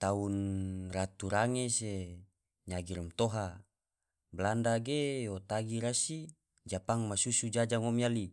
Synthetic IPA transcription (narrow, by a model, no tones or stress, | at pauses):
t̪aunrat̪uɾaŋese | ɲaɡiɾumt̪oɦa | blandaɡejot̪aɡiɾasi | d͡ʒapaŋmasusud͡ʒad͡ʒaŋomiali